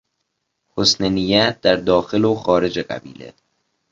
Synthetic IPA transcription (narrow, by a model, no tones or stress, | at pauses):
hosnenijæt̪̚d̪̥æɾd̪ɒːxe̞loxɒːɾe̞d͡ʒeɢæ̰bḭːlḛ